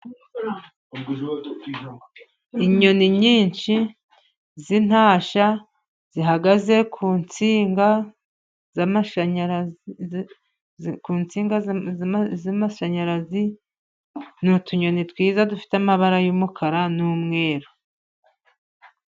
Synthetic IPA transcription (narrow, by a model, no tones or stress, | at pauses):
iɲo̞niɲiːnʃi | zin̥haːʃa | z̥iɦaɡaze̞kʰuːnt͡siːŋɡa | zamaʃ | kuːnt͡siːŋɡa | zamaʃaɲaɾazi | nutuɲo̞nitwiːzadufi̥tamaβaɾajuːmukʰaɾanuːmŋe̞ːɾo